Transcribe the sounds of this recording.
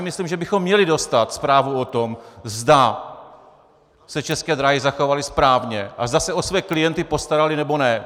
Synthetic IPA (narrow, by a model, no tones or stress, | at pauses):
mɪslimʒɛbɪxomːɲɛlɪdo̞st̪at̪spɾaːvuot̪omzda | sɛt͡ʃɛskɛːd̪ɾaɦɪzaxo̞valɪspɾaːvɲɛʔazd̪asɛo̞svɛːklɪjɛnt̪ɪpo̞st̪aɾalɪnɛbo̞nɛ